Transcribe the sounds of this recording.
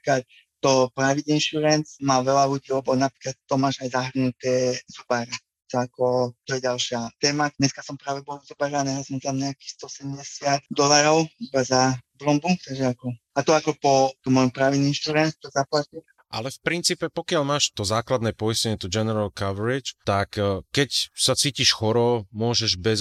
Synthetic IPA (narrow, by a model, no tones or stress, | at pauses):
pɾikat̪ | t̪ːɔpɾaʋid̪inʃuɾɛnsmaːʋɛlalutilɛbɔnapɾiklat̪ːɔmaːʒajzaɦr̩nut̪ɛz̥ubaɾa | t̪ɔakɔt̪ɔjɛɟalʃɪat̪ɛːmadɲɛskasɔmpɾaːʋɛbɔlzubaɾanɛɦasɔmt̪amɲɛakiːxst̪ɔsɛmɟɛsɪat̪d̪ɔlaɾɔʊibazablɔmbut̪aɡʒɛakɔ | at̪ɔakɔpɔt̪ɔmːɔjɔmpɾaːʋininʃt̪ɾuɾɛnt̪t̪ɔzaplat̪i | ʔa̰lɛfpɾint͡siːpɛpɔkɪalmaːʃt̪ɔzaːklad̪nɛːpɔiscɛɲɛt̪ɔd͡ʒɛnɛɾalkaʋɛɾit͡ʃt̪akkːɛcsat͡siːciʃxɔɾɔmʊɔʒɛʒbɛz